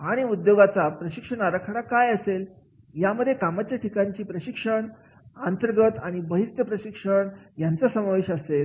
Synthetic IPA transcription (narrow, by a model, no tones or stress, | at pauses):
aɽ̃iud̪joɡat͡sapɾəɕikʂəɳaɾəkʰəɽakajəsel | jaməd̪ʱːjekamat͡ɕjaʈʰikaɲt͡ɕiːpɾəɕikʂəɳ | ənt̪əɾɡət̪aɽ̃ibəɦist̪jəpɾəɕikʂəɳjant͡səsəmaʋeɕəsel